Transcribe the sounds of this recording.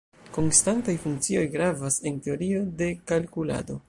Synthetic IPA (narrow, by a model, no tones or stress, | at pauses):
ko̞nstantajfuŋk̚t͡sio̞jɡɾavase̞nte̞o̞ɾio̞de̞kalkula̰do̞